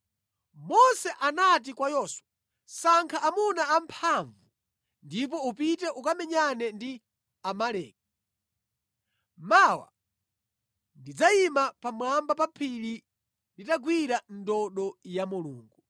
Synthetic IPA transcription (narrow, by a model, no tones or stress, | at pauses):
mɔsɛʔanat̬ikwajɔswa | saŋkʰaʔːmunaːmpʰaɱvu | ndip̬ɔupitɛʔukamɛɲanɛndi | amalɛ̰ːk̚a | mawa̰ | ndid͡zaimapamwambapapʰili | nditaɡwiɾandɔɗɔjamulṵːŋɡu